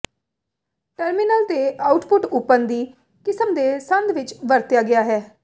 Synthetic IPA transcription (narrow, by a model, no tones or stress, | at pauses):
ʈəɾmɪnəlt̪eːʔaːʊʈpʊʈʊpːənd̪iː | kɪsəmd̪eːsənd̪ʋɪt͡ʃʋəɾt̪jaːɡɪjaːɦɛː